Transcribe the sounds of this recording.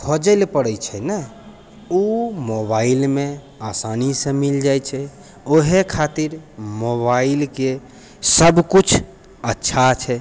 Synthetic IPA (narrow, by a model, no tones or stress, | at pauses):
kʰod͡ʒəlpəɽɛt͡ʃʰɛnɛ | umobailme | asanisə̃mild͡ʒajt͡ʃʰɛ | oɦekʰat̪iɾmoβailke | səbkut͡ʃʰ | ətːʃʰat͡ʃʰɛ